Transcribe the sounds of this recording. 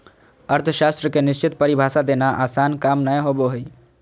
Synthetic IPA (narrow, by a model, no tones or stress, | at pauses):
əɾt̪ʰəʃast̪ɾəkenist͡ʃit̪̚pəɾibʱasad̪enaʔasankamnəjɦoboɦoj